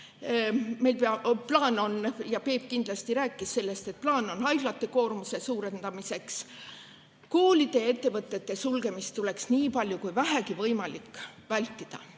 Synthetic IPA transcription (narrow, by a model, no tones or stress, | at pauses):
me̞jlpeɑplɑːno̞njɑpe̞ːp̚kind̪̥lɑst̪iɾæːkːˑisːe̞lːe̞st̪e̞t̪̚plɑːno̞nɑjɡ̥lɑt̪ːˑe̞ko̞ːrmuse̞suːɾe̞nd̪̥ɑmise̞ks | koːlid̪̥e̞et̪ːe̞vɤt̪ːˑe̞t̪ːe̞sulɡ̥e̞mist̪ːule̞ksniːpɑlʲjukujvæɦækivɤjmɑlikːˑvælʲt̪ːˑid̪̥ɑ̰